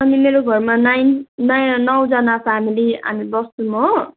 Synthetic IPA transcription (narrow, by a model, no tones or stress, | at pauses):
ʌnimeɾoɡʱʌrmanajnːʌjnʌw̃d͡zʌnapʰamilia̰mibʌst̪umʌ